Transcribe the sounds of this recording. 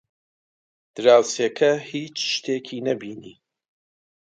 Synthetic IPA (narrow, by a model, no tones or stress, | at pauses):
d̪̥ɨɾaːwsekʰɐhiːt͡ʃʃt̪ʰeːkʰiːnɐbiːnḭː